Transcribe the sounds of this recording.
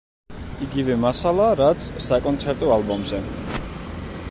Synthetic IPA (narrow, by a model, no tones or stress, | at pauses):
iɡivɛmasalˠaɾat̪sʰsakʼɔnt̪sʰɛɾt̪ʼɔalˠbɔmzɛ